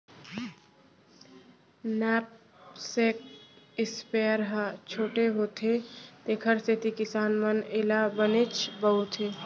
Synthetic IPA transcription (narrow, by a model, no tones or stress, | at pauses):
nɛːp̚ | sek̚ɪspeːəɾɦət͡ʃʰoːʈeɦot̪ʰet̪ekʰəɾst̪et̪ikɪsaːnməneːlabənet͡ʃʰbəɦut̪ʰe